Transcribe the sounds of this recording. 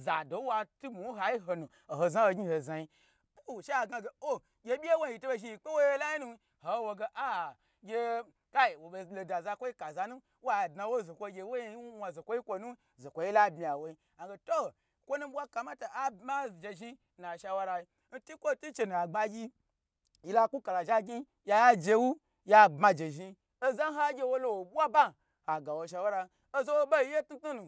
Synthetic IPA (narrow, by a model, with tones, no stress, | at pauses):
za˨do˨˦wa˧tu˦mu˨wɦa˨ji˦ɦo˧nu˨ | o˨ho˧za˦ho˧ɡʲi˦ho˨za˨ji˦ | k͡pu˦˨ʃa˦a˨ɡa˧ɡe˨o˦ | ɡʲe˧ɓʲi˦e˦wo˦˨i˨to˦be˧ʒi˧˦ji˨k͡pe˦wo˦je˦la˦ji˦nu˦ | ho˨˦wo˧ɡe˧ʔa˦˨ | ɡʲe˧ | ka˦i˨wo˨ɓe˨lo˨da˨za˧kʷo˦i˦ka˨za˧nu˦ | wa˦˨dna˨˧wo˦zo˨kʷo˧˦ɡʲe˧wo˦je˧˦wʷa˧zo˨kʷo˦ji˦kʷo˧nu˦ | zo˨kʷo˨˦je˦la˦bmi˨a˨wo˨˦i˦ | a˨ɡe˧to˦˨ | kʷo˦nu˦bʷa˦ka˧ma˦to˨ʔa˦ba˦˨d͡ʒe˧ʒi˧ | na˨ʃa˧wa˦ɾa˧i˧ | n̩˦ti˦kʷo˦˨tu˦t͡ʃe˧nu˨a˨ɡ͡ba˧ɡʲi˦ | ji˦la˦˧ku˦ka˨la˨ʒa˦ɡʲi˦ | ja˧ja˦d͡ʒe˧wu˦ | ja˧bma˧d͡ʒe˨ʒi˧ | o˦za˦ɦa˦ɡʲe˧wo˦lo˦wo˨bʷa˦ba˦ | ha˨ɡa˨wo˧˨ʃ̬a˧wa˦ɾa˧ | o˦zo˦wo˦ba˦i˦je˦tnu˦tnu˦nu˨